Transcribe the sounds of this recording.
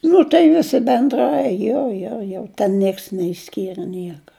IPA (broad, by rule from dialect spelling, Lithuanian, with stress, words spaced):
ˈnʊ tɐɪ ˈʋʲɪsʲɪ bʲɛnˈdrɐɪ ˈjoː joː joː ˈtʲɛn ˈnʲiɛks nʲɛɪʃʲˈsʲkʲiːrɘ ˈnʲiɛkɐ